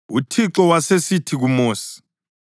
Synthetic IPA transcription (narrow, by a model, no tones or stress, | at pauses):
utʰiǁɔwasesitʰiɣumoːsi̥